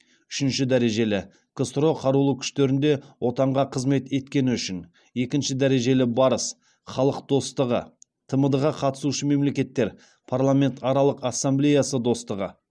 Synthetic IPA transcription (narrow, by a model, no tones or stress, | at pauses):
ʏʃɪnʃɪd̪æɾe̞ʒe̞lɪ | kʰost̪ɾo̞qʰɑɾulˠəkʲʰʏ̥ʃt̪e̞ɾɪnd̪e̞wʔo̞t̪ɑɴʁɑqʰəzme̞t̪e̞t̪kʲe̞nɪʏʃɪn | e̞kʲɪnʃɪd̪æɾe̞ʒe̞lɪbɑɾəs | χɑlˠəq̚d̪o̞st̪əʁə̰t̪ʰəməd̪əʁɑqʰɑt̪ə̥suʃəme̞mle̞kʲe̞t̪ːe̞ɾ | pʰarlˠamʲe̞nt̪ɑɾɑlˠəqasːamblejasəd̪o̞st̪əʁə̰